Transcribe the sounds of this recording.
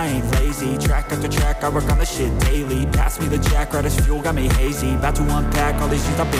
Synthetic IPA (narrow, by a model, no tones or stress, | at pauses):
ɪ̃nleɪzitʰɹ̥ækʌftə˞tʰɹ̥ækaɪɹəkn̩ðɨʃɪt̚d̥eɪlˠipʰæ̰smiðɨt͡ʃʰækɹaɾɨsfjulˠɡɑmiɦeɪzibætʰəwɑ̃ntʰækɑlˠizɨ̃zʌp̚ɨ̃